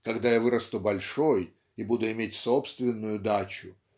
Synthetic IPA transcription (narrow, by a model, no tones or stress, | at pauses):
kɐɡd̪ajavɨɾəst̪ubɐlʲʂoj | ibud̪ʊɪmʲetʲso̞pst̪vʲɪnːʊjʊd̪at͡ɕʊ